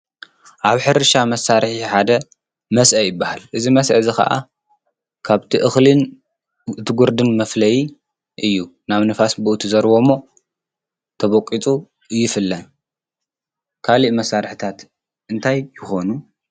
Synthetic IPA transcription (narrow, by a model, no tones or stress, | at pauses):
ʔaβħɨɾɨʃamɐsːaɾħiħad̪ɐ | mɐsʔɐjɪbːahalʔɨzimɐsʔɐzixɐ̰ʔa̰ | kʰaβt̪ʰiʔɨxlɨn | ɨt̪ʰɨɡuɾd̪ɨnmɐflɐji | ʔɨjːunaβnɨfasbɨʔut̪ʰuzɐɾβo̞mːo̞ | t̪ʰɐβokʼit͡sʼu | jɪfɨlːɐn | kʰaliʔmɐsːaɾħit̪ʰat̪ | ʔɨnt̪ʰajːɪxo̞nu